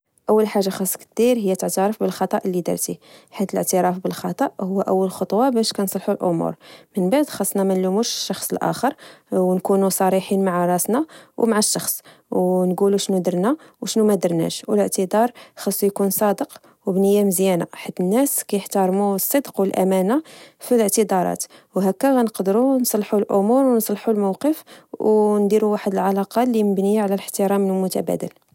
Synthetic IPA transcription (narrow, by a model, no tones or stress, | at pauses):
ʔəwːəlħaʒːaxɑsˤːkt̪d̪iɾɦəjːæt̪əʕt̪ɑɾˤɑfbəlxɑt̪ˤɑʔəlːid̪ɑ̰ɾˤt̪iħit̪ələʕt̪əɾˤɑfbəlxɑt̪ˤɑʔhʊwːæʔæwːəlxot̪ˤwɑbæʃkænsˤlħulʔʊmṵɾmənbaʕd̪xɑsˤːnɑmænlumuʃʃːɑxsˤəlʔæ̰xəɾˤwnkunusˤɑɾiħinmaʕaɾˤɑsnɑwmaʕaʃːɑxsˤ | wnɡuluʃnud̪əɾˤnæwʃnumæd̪əɾˤnæ̰ʃwələʕt̪əd̪ɑɾˤxɑsˤːjkunsˤɑd̪əq | wbnəjːaməzjæna̰ħad̪ːənːæskæjəħt̪ɑɾˤmusˤːəd̪qwəlʔæ̰mænafiləʕt̪əd̪ɑɾˤɑ̰t̪wɦækːæɣænəqd̪ɾunsˤlħulʔʊmuɾwnsˤlħulmawqəfwnd̪iɾuwaħəd̪əlʕalɑqɑliməbnijaʕlæləħt̪əɾɑmnəlmʊt̪æ̰bæ̰d̪ə̰l